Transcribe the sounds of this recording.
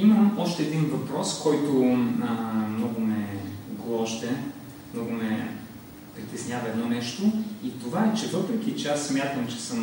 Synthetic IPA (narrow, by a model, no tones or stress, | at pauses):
iməmɔʃt̪ɛɛd̪invɐpɾɔskɔjt̪o | mnɔɡʊmɛɡlˠɔɔʃt̪ɛ | mnɔɡʊmɛ | pɾit̪ɛsnʲavɐɛd̪nɔnɛʃt̪oit̪ovaɛt͡ʃɛvɤpɾɛk̟ʲit͡ʃɛasːmʲjat̪əmt͡ʃɛ̥sɤm